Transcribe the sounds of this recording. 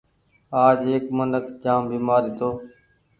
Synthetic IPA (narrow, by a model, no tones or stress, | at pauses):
aːd͡ʒeːkmənəkʰd͡ʒaːmbiːmaːɾiːt̪oː